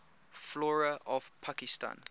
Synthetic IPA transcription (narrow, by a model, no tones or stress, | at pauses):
flɔɹəʔɔvpʰakistã̰n